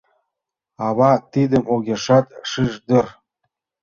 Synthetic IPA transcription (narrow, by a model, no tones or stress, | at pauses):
ɑβɑt̪id̪əmʔoɣʲeʃɑt̪ʃiʃd̪ə̆r